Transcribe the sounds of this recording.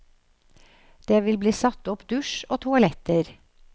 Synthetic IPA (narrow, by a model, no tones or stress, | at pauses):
d̪̥eːʋɪlbliːsɑt̪ːɔpd̪ʉʃoːt̪ʰʊɑlɛt̪əɾ